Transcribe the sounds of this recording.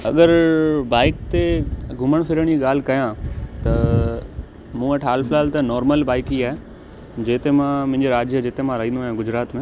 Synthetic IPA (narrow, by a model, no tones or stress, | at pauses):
ɐɠəɾbaːɪk̚t̪eɡʱʊməɽ̃fʰɪɾəɽ̃d͡ʑiɠaːl̤ɪkɐjãt̪ɐ | mũːɐʈʰaːlfʰɪlaːlt̪ɐnɔːɾməlbaːɪkiaːɦe | d͡ʑeːt̪emãmʊ̃ɦɪ̃ɲd͡ʑoɾaːd͡ʑjəd͡ʑeːt̪emãɾɐɦĩnd̪oaːjãɡʊd͡ʑɾaːt̪mẽ